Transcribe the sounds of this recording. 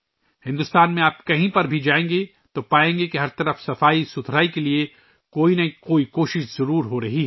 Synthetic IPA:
hɪ̃nd̪ʊst̪aːnmẽaːp̚kɐɦĩpɐɾbʱid͡ʒaːẽːŋɡe | t̪opaːẽːŋɡekiɦɐɾt̪ɐɾəfsɐfaːisʊt̪ʰɾaːikelie | koːinɐɦikoːikoːʃɪʃz̥ɐɾuːɾɦoɾɐɦiɦɛ

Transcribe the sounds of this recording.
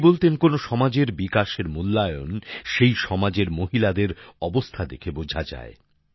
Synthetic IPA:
bolt̪enkonoʃɔmad͡ʑeɾbikaʃeɾmulːajonʃejʃɔmad͡ʑeɾmoɦilad̪eɾɔbost̪ʰad̪ekʰebod͡ʑʱad͡ʑa̰e

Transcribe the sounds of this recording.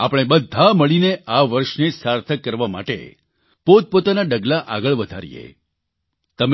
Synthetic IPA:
a̰pəɽ̃ebəd̪ʱaməɭineʔaʋəɾʃnesaɾt̪ʰəkːəɾʋama̰ʈḛ | pot̪̚pot̪anaɖəɡlaʔaɡəɭʋəd̪ʱa̰ɾḭjḛ | t̪əm

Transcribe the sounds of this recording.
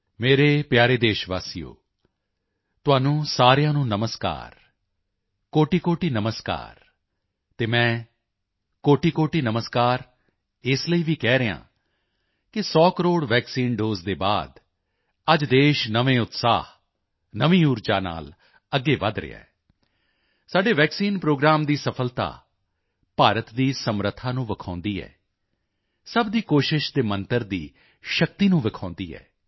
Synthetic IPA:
meːɾeːpjaːɾeːd̪eːʃʋa̰ːsijo̰ː | t̪ʊaːnũːsaːɾɪjãːnũːnəməska̰ːɾ | koːʈiːkoːʈiːnəməska̰ːɾ | t̪eːmɛ̃ː | koːʈiːkoːʈiːnəməskaːɾ | ɪsləiːʋiːkɛːɾɪã̰ː | kɪsɔːkəɾoːɽʋɛːksiːnɖoːzd̪eːba̰ːd̪ | əd͡ʒd̪eːʃnəʋẽːʊt̪sa̰ːɦ | nəʋĩːuːɾd͡ʒaːna̰ːl | əɡːeːʋəd̪ɾɪ̰a̰ː | saːɖeːʋɛːksiːnpɾoːɡɾaːmd̪iːsəpʰəlt̪a̰ː | paːɾət̪d̪iːsəmɾət̪ʰːaːnũːʋəkʰãːnd̪iːɛ̰ː | səbd̪iːkoːʃɪʃd̪eːmənt̪əɾd̪iː | ʃəkt̪iːnũːʋɪkʰãːnd̪iːɛ̰ː

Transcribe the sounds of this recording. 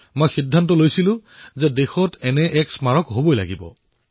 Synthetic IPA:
mojxidʱːantɔlojsilʊ̃zɛdexɔtɛnɛʔɛksmaɹɔkɦobojla̰ɡibɔ̰

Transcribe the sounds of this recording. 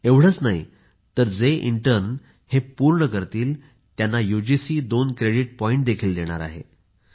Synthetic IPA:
eʋɽ̤ət͡snaɦi | t̪əɾd͡zeʔḭɳʈəɾn | hepuɾɳəkəɾt̪iːl | t̪janːajud͡ʑisiːd̪onkɾeɽiʈ̚pɔiɳʈ̚d̪ekʰiːld̪eɽ̃a̰ɾa̰ɦḛ

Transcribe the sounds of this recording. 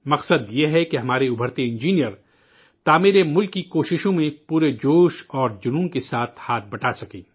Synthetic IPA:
mɐqsəd̪jeɦɛkeɦɐmaːɾeʊbʱəɾt̪eɪ̃nd͡ʒiːnijəɾ | t̪aːmiɾemʊlkːikoːʃɪʃõmẽpuːɾed͡ʒoːʃɔːɾd͡ʒʊnuːnkesaːt̪ʰhaːt̪̚ʰbɐʈasɐkḭː

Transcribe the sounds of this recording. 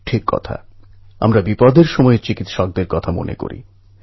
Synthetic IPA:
ʈʰikːɔ̰t̪ʰa̰ | a̰mɾabipɔd̪ʱeɾʃɔmɔet͡ɕikit̪ʃɔk̚d̪eɾkɔt̪ʰamo̰nḛko̰ɾḭ

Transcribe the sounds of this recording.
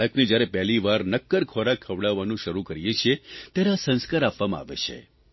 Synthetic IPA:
ləknid͡ʒjaɾepɛɦliʋaɾnəkːəɾkʰoɾakʰːəʋɽaʋanũʃəɾukəɾijet͡ʃʰet̪jaɾeasə̃nskaɾapʋamã̰a̰ʋḛt͡ʃʰḛ

